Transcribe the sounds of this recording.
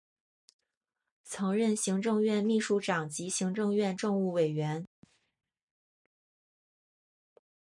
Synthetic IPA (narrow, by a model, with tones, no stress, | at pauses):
t͡sʰɤ˧˥ŋɻə˥˩nɕi˧˥ŋʈ͡ʂɤ˥˧ŋɥɛ˥˧nmi˥˧ʂu˥˩ʈ͡ʂɑ˨˩ŋt͡ɕi˧˥ɕi˧˥ŋʈ͡ʂɤ˥˧ŋɥɛ˥˧nʈ͡ʂʊ˥˧ŋu˥˩we˨˩ɪɥɛ˧˥n